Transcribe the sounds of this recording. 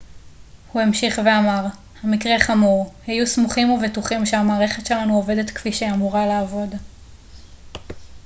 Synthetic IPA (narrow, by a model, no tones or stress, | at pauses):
huamʃiχve̞amaʁ | hamikʁe̞χamuʁhajusmuχimovetuχimʃeamaːʁe̞χe̞tʃe̞lanuove̞de̞t̪kfiʃeamuʁalaːvo̞d